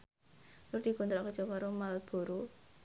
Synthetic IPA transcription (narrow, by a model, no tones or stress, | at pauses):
lʊrd̪̥i̤ɡ̥ɔ̤nt̪ɾɔʔkəd̥ʒ̥ɔ̤kaɾomalb̥o̤ɾo